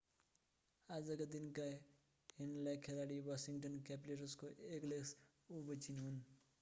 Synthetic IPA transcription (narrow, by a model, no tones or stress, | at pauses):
ad͡zʌkad̪inka | ɦenlakʰelaɽiwasiŋʈʌnkapleʈuskoʔekleks | ubʌt͡sʰinɦun